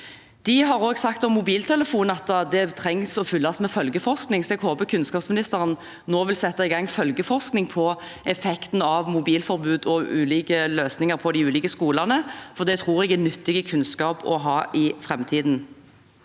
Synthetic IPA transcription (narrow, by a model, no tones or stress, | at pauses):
d̪̥ɪɦɑɾoːɡsɑkt̪ɔmːʊbiːlt̪ʰɛləfuːnəɑt̪ːɑd̪ɛt̪ʰɾɛŋsɔfʏlːɑsmɛfœlɡəfɔʁsknɪŋsɔɛɡɦoːbəkʰʉnskɑːpsmɪnɪst̪əɾən | noːʋɪlsɛt̪ːɑɪɡɑŋːfœlɡəfɔʁsknɪŋpʰɔ | ɛfɛkt̪n̩ɑʋmʊbiːlfɔɾbʉːd̪ɔʉːliːkəløːsnɪŋəɾpʰɔd̪ɪʉːliːkəskuːlɑnəfɔʁd̪ɛt̪ʰʁuːʁɛɡɛnʏt̪ːɪɡəkʰʉnskɑːpɔ̰ɦɑːʔɪfɾʁɛmt̪ʰiːd̪n